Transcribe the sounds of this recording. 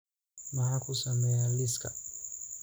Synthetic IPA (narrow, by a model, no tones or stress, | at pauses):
maɦakusamɛaliska